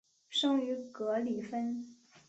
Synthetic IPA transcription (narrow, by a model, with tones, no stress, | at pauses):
ʂɤ˥ŋy˧˥kɤ˧˥li˨˩fə˥n